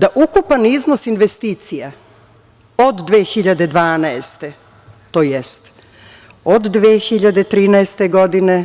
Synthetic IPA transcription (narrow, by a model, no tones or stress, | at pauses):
d̪aʔukupanizno̞sinʋest̪iːt̪sija | od̪ːʋeːxiʎad̪e̞d̪ʋaːnaest̪e | t̪oːjest̪ | od̪ːʋeːxiʎad̪et̪ɾiːnaest̪eɡo̞d̪ine